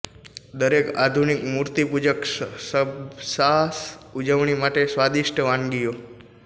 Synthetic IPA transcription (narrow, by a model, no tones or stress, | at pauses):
d̪əɾekad̪ʱunikmuɾt̪ipud͡ʒək | sasud͡ʒəʋɳ̃imaʈesʋad̪iʃʈʰəʋãnɡijo